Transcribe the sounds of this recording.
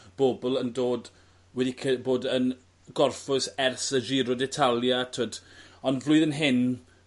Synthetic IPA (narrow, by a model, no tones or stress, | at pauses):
b̥obɔlˠəndoːd | wɛdikʰəboːdən | ɡɔrfʊsɛrsəd͡ʒiːɾɔdɛtʰalˠjatʰoːdɔnvlʊɨðənɦɪn